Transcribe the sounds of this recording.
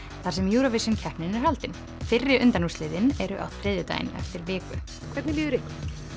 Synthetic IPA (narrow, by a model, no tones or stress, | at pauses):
θaɾ̥sɛmjuːɾɔvisʏncʰɛhpnɪnɪɾ̥halt̪ɪn | fɪrːɪɾʔʏnt̪anuslɪːðɪnɛɾʏʔa̰wt̪ʰɾɪːðɪt̪a̰j̰nɛ̰ft̪ɪɾvɪːkʏ | kʰvɛɾt̪nɪliːðʏɾɪhk